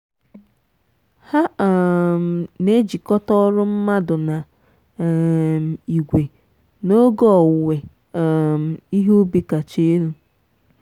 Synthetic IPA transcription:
ha˦˨ | m̩˨ne˦d͡ʒi˨kɔ˦tɔ˦ɾʊ˦m̩˦ma˦dʊ˨na˨ | m˨i˨ɡʷe˨ | no˦ɡɔ˦ɔ˨we˨ | m̩˨i˦ɦu˦bi˦ka˨t͡ʃe˦e˦ɾu˦

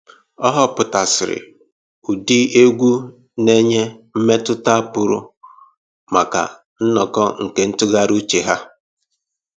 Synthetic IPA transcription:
ɔ˦ɦɔ˦pʊ˨ta˨sɪ˨ɾɪ̰˨ | u˨di˦e˦ɡʷu˦ | ne˦ɲe˦m̩˦me˦tʊ˦ta˦a˦pʊ˨ɾʊ̰˦ | ma˨ka̰˨ | n̩˦nɔ˨kɔ˦ŋ̩˨ke˦n̩˦tʊ˦ɡa˦ɾu˦t͡ʃe˨ɦa˦

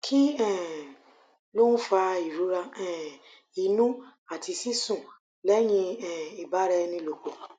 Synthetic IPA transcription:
kʰi˦ɛ˦˨ | lo˦n̩˦fa˧i˨ɾu˨˦ɾa˧ɛ̃˨ | i˨nũ˦a˨tʰi˧si˦sũ˦˨ | lɛ˨˦j̃ĩ˧ɛ̃˨i˨ba˨˦ɾɛ˧nĩ˧lo˨k͡po˨

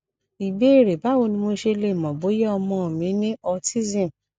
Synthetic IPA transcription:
i˨be˨˦e˦˨ɾe˨ba˨˦wo˧nĩ˧mo˧ʃe˧le˦˨mɔ̃˨bo˨˦jɛ˦ɔ˧mɔ̃˧˦o˨mĩ˨˦nĩ˦ɔ˧ti˦zĩ˦˨

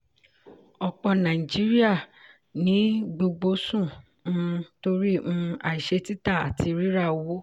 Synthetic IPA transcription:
ɔ˧k͡pɔ̃˧nã˨i˨d͡ʒi˦ɾi˦a˦˨ | nĩ˨˦ɡ͡bo˧ɡ͡bo˧sũ˦˨ | ũ˦˧to˧˦ɾĩ˦˧a̰˨i˨ʃe˧˦ti˦ta˦˨a̰˨ti˧ɾi˦ɾa˦˨o˨˦wo˦

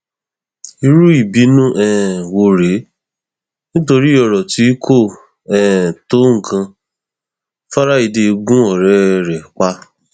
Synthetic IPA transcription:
i˧ɾu˦i˦˨bi˨˦nũ˦ʔɛ˦˨ɛ˨wo˧ɾe˨˦ | nĩ˦to˧ɾi˦ɔ˧ɾɔ˨ti˨˦kʰo˦˨ | ɛ˦˨to˦ŋ̩˨kʰã˧ | fa˦ɾa˦i˧de˧ɡũ˦ɔ˨ɾɛ˨˦˧ɾɛ˨k͡pa˦

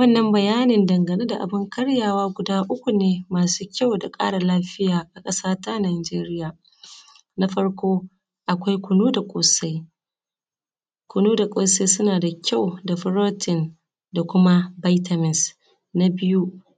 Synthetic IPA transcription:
wɐ˦nːɐ˦mbɐ˨jaː˦nɪ˨ndɐ˨ŋɡɐ˨neː˦da˨ʔa˨bɪ˦ŋkɐ˦ɽjaː˨waː˦ɡʷʊ˨daː˦ʔʊ˦kʷu˨neː˦maː˨suː˦kʲa˦˨wda˨kʼa̰ː˦ɽa˨laː˦ɸɪ˦jaː˨ʔa˨kʼɐ˦saː˦ta˦naː˨d͡ʒeː˦ɾɪ˦jaː˨ | na˦ɸɐ˦ɽkʷoː˦ | ʔa˨kʷa˦jkʷʊ˨nuː˦da˨kʷʼoː˨sa˦j | kʷʊ˨nuː˦da˨kʷʼoː˨sa˦jsʊ˦naː˨da˨kʲa˦˨wda˨ɸɪ˦ɾoː˦tʰɪ˨n | da˨kʷʊ˦ma˦ba˦jtɐ˨mɪ˨s | na˦bɪ˦ju˦

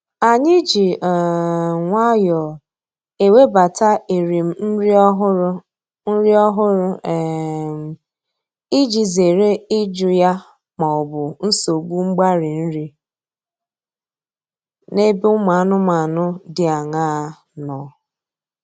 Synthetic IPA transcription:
a˨ɲɪ˦d͡ʒi˨ | ŋʷa˦jɔ˨ | e˨we˦ba˨ta˦e˨ɾi˨m̩˦m̩˦ɾɦɾ | n̩˦ɾi˦ɔ˦ɦʊ˦ɾʊ˦˨ | m˨ | i˦d͡ʒi˨ze˨ɾe˦i˦d͡ʒʊ˨ja˦ | ma˨ɔ˨bʊ˨n̩˦so˨ɡʷu˦ŋ͡m̩˦ɡ͡ba˦ɾɪ˨n̩˦ɾi˦ | ne˦bi˦ʊ˦ma˨˦nʊ˦ma˨nʊ˦dɪ˨a˨ŋaː˦ | nɔ˨

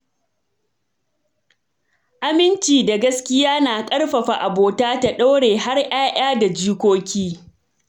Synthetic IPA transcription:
ʔa˦mɪ˦nt͡ʃiː˨da˨ɡɐ˦skʲɪ˦jaː˦naː˨kʼɐ˦rɸɐ˨ɸa˨ʔa˨boː˨taː˦ta˦ɗa˦wɽeː˨ha˦rʔaː˦ʔaː˦da˨d͡ʒiː˦kʷoː˦kʲiː˦

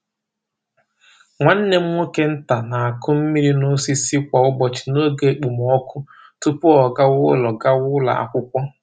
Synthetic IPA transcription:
ŋʷa˨n̩˦ne˦m̩˦o˦ke˦n̩˦ta˨na˨a˨kʊ˦m̩˦mi˦ɾi˦nʊ˦si˦si˦kʷa˨ʊ˦bɔ˨t͡ʃi̥˨no˦ɡe˨k͡pu˨m˨ɔ˦kʊ˦ | tʊ˦pʊ˦ɔ˨ɡa˦wʊ˦lɔ˨ɡa˦wʊ˦la̰˨a̰˨kʷʊ˦kʷɔ˦

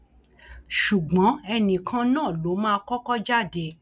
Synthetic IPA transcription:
ʃu˨ɡ͡bɔ̃˨˦ɛ˧nĩ˨kʰã˧nãː˦˨lo˨˦mãː˦˧kɔ˦kɔ˦d͡ʒa˦˨de˧˦

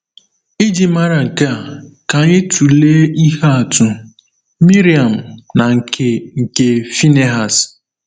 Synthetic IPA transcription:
i˦d͡ʒi˦ma˦ɾa˨ŋ̩˨ke˦a˨ka˨ɲɪ˦tu˨leː˦i˦ɦa˦a˨tʊ˦ | mi˦ɾi˨a˨m̩˨na˨ŋ̩˨kʰe˨ŋ̩˨ke˦fi˦ne˦ɦa˨s

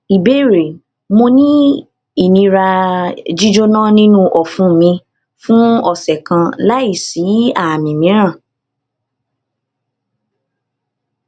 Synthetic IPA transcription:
i˨be˦˨ɾe˨ | mo˧nĩ˦ | i˦˨nĩ˧ɾa˧d͡ʒi˦d͡ʒo˦nã˦nĩ˦nũ˦ʔɔ˨fũ˨˦˨mĩ˧ | fũ˦ɔ˦˨sɛ˨kã˧la˦i˦˨si˨˦a˦˨mĩ˨mĩ˨˦ɾ̃ã˦˨

